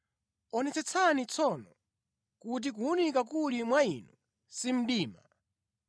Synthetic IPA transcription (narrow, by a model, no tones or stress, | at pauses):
ɔnɛt͡sɛt͡sʰanit͡sʰɔnɔ | kut̬ik̬uunikakulimwainu | sim̩ɗiːma